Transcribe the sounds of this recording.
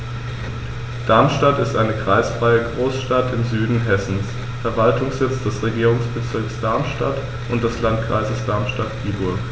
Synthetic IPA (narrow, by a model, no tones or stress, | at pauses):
d̥aɐmʃtatɪstʔaɪnəkʁ̥aɪsfʁ̥aɪəɡʁoːsʃtatɪmzyːdn̩ɦɛsn̩s | fɛɐvaltʊŋsz̥ɪt͡sd̥ɛsʁeɡiːʁʊŋsb̥ət͡sɪɐksd̥aɐmʃta̰t | ʔʊnt̚d̥ɛslantkʁ̥a̰ɪzəsd̥aɐmʃtatɡ̥iːbʊɐk